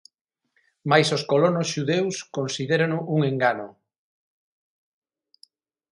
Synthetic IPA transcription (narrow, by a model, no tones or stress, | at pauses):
majsoskolonosʃuðewskonsiðeɾanʊʔuŋeŋɡano